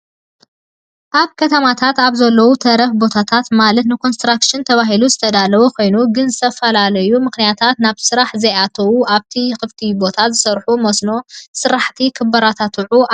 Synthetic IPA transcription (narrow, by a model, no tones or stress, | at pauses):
ʔaβkʰɐt̪ʰɐmat̪ʰat̪aβzɐlːɐwut̪ʰɐɾɐfbo̞t̪ʰat̪ʰat̪malɐt̪nɨkʰo̞nst̪ɾakʃɪnt̪ʰɐβaɦiluzɨt̪ʰɐd̪alɐβukʰo̞jnuɡɨnzɨt̪ʰɐfɐlalɐjumɨxnijat̪ʰat̪naβsɨɾaħzɐjat̪ʰɐwuʔaβt̪ʰixɨft̪ʰibo̞t̪ʰazɨsɐɾħumosno̞sɨɾaħt̪ʰikʰɨbːɐɾat̪ʰat̪ʰuʕu